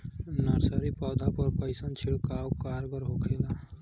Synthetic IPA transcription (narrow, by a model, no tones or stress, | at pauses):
naɾsəɾipɔːd̪apəɾkəɪsənt͡ʃʰiɭkaːwkaːɾɡəɾɦokʰela